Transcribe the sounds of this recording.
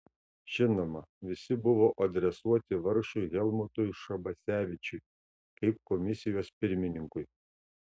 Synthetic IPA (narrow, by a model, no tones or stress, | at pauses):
ʒ̥ʲɪnomɐʋʲɪsʲɪbʊʋoːʔɐd̪ʲɾʲɛsuɔt̪ʲɪʋɐɾʃʊɪɣʲɛlˠmʊt̪ʊjʃɐbɐsʲæːʋʲɪt͡ʃʲʊɪ | kɐɪp̚kɔmʲɪsʲɪjoːspʲɪɾʲmʲɪnʲɪŋkʊj